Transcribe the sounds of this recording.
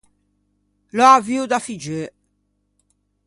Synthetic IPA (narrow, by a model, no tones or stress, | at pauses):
lɔaviud̪afid͡ʒø